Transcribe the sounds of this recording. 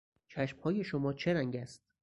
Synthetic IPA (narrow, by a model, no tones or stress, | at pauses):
t͡ʃʰæʃmhɒːje̞ʃomɒːt͡ʃʰe̞ɾæŋɟæst̪̚